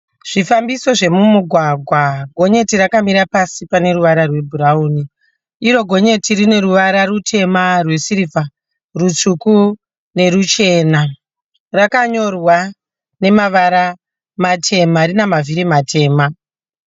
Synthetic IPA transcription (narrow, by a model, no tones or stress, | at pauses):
ʐ̥ifambiso̞ʐe̞mumuɡʱwaɡʱwaɡʱo̞ɲe̞tiɾakamiɾapasipane̞ɾuʋaɾarwe̞bʱuɾauːni | iɾo̞ɡʱo̞ɲe̞tirine̞ɾuʋaɾarutʰe̞marwe̞siɾifa | rut͡ʂuku | ne̞ɾut͡ʃe̞ːna | rakaɲo̞rwa | ne̞maʋaɾa | matʰe̞maɾinamaviɾimatʰe̞ːma